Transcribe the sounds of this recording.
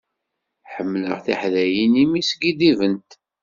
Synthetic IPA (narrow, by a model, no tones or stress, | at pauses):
ħəmːlə̰ʁθiħlæjinimisɡid̪ivənt̪